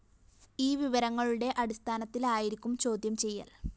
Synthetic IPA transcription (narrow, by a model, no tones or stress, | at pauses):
iːʋiʋɐɾɐŋːɐɭuɽe̞ʔɐɽist̪ʰaːnɐt̪ːilaːjiɾikʲːumt͡ɕo̞ːd̪jɐmt͡ɕe̞jːa̰ːl